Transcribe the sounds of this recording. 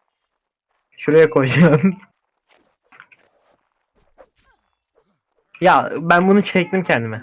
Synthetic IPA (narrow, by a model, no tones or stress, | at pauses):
ʃuɾejakʰod͡ʒam | jabænbunut͡ʃʰɛc̚t̪imcʰɛnd̪imɛ